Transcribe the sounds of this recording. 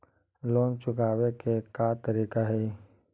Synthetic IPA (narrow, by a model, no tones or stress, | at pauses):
loːnt͡ʃʊkaːwekekaːt̪əɾiːkaɦɛː